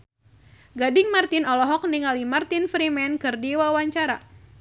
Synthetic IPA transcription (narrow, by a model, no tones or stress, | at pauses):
ɡadɪŋmart̪ɪnɔlɔɦɔk̚niŋalimart̪ɪnfɾimɛnkɨrdiwawaɲt͡ʃaɾa